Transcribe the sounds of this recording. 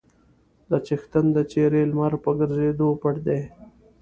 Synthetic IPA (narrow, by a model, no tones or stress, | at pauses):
d̪ət͡ʃɪxt̪ənd̪ət͡ʃeɾelmaɾpəɡəɾzed̪opəʈd̪e